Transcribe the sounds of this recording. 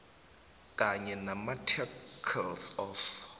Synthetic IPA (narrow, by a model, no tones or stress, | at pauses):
kʼaɲɛnamatʰɛkʰɛlsɔf